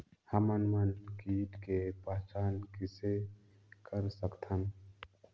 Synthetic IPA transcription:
hɐmənmənkiːʈkepəɦt͡ʃaːnkɪse | kəɾsəkt̪ʰəm

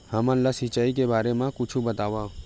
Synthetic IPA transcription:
hɐmãlasɪt͡ʃaːikebaːɾemãkʊt͡ʃʰubɐt̪aːʋaː

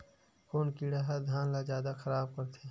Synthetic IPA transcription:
koːnkiːɽeɦɐɾd̪ʱãːnlazjaːd̪axʰɐɾaːb̚kɐɾt̪ʰeː

